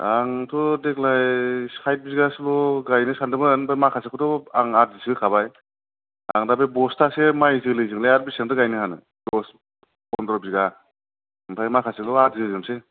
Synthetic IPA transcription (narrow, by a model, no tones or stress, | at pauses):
aŋtʰɔdekʰlajsajt̚biziɡaslɔɡajnɯsandɯmɯanbʰajmakʰasekʰɔtɔaŋazisɡɯkʰabaj | a̰ŋdabebɔstʰasemajzɯklɯjzɯŋlajaɾbiseŋtɯɡajnɯhanɯ̰ | dɔs | ɔndɾɔbiziɡa | mpʰajmakʰasekdɔatzizɯmse